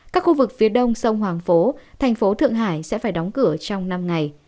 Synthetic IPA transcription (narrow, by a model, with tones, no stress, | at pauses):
kaː˦˥k̚xu˧vɨ˨˩k̚fi˨˦əɗə˧wŋ͡msə˧wŋ͡mhwaː˨˩ŋfo˨˦t̪ʰa˨˩jŋ̟fo˨˦t̪ʰɨ̰˧˨əŋɦa̰ː˧˩˨jsɛ̰˧˥faː˧˩jɗɔ˨˦wŋ͡mkɨ˧˩ət͡ɕɔ˧wŋ͡mna˧mŋa˨˩j